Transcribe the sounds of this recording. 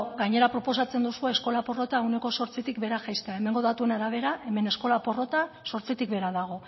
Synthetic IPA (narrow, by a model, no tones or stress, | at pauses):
ɡaɲe̞ɾapɾo̞po̞sat͡se̞nd̪usue̞ːsko̞lapo̞ro̞t̪aewne̞ko̞so̞ɾt͡sit̪ikbe̞ɾaʝajst̪eae̞me̞ŋɡo̞ðat̪ue̞naɾaβ̞e̞ɾaʔe̞me̞ne̞sko̞lapo̞ro̞t̪a | so̞ɾt͡sit̪ik̚be̞ɾaðaɣ̞o̞